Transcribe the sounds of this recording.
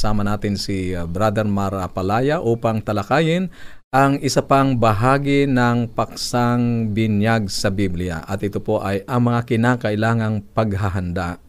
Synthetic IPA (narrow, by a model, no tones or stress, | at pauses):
saːmɐnaːt̪ɪnsɪbɾad̪ɛɾmaɾapɐlaːjaʔuːpɐŋt̪ɐlɐkaːjɪn | ʔɐŋɪsɐpaŋbɐɦaːɡɪnɐŋpɐksaŋbɪnjaɡ̚sɐbiblɪja̰ʔɐt̪ʔɪt̪opo̞ʔɐjʔɐŋmɐŋakɪnaːkɐʔɪlaːŋɐŋpɐɡ̚ɦaɦand̪aʔ